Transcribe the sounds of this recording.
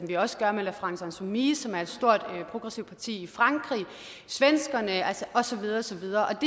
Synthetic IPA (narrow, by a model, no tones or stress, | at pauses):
mʋiɒ̽sə̥ɡ̥ɶɐmelæfʁɑ̈ŋsɑnsomiːsɒ̽mæɐe̝d̥sd̥o̝ɐ̰d̥pʰʁo̝ɡ̥ʁɛsiʊ̥pʰɑ̈t͡sʰḭːifʁɑ̈ŋɡ̥ʁḭː | sʋensɡ̥ɐnəælsəʔɒ̽sɒ̽ʋið̞ˠɐɒsɒ̽ʋið̞ˠɐːʔɒ̽d̥e